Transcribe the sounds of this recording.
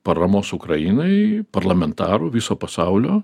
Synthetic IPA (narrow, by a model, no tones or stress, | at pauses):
pɐɾɐmoːsʊkɾɐjiːnɐɪpɐɾlˠɐmʲɛnt̪ɑːɾuʋʲisoːpɐsɑʊlʲoː